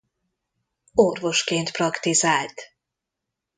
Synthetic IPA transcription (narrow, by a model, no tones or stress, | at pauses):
orvo̞ʃkeːnt̪prɒkt̪izaːlt̪